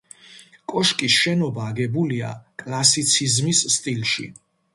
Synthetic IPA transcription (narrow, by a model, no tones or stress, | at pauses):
kʼɔʃkʼisʃɛnɔbaːɡɛbulia̰kʼlasit̪sʰizmisːt̪ʼilʃḭ